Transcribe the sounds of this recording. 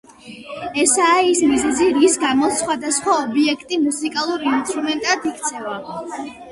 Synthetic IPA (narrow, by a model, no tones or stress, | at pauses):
ɛsaːismizɛziɾisɡamɔsχwad̪asχwaɔbiɛkʰt̪ʼimusikʼalˠuɾiinst̪ʼɾumɛnt̪ʼad̪ikʰt̪sʰɛva